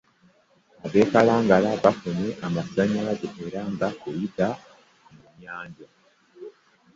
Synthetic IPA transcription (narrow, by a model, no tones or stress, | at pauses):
aβeːkaɾaːŋɡaɾaβafoɲe̞ʔamasiaɲaβazoheɾaːŋɡakojita | mumɲaːɲɟa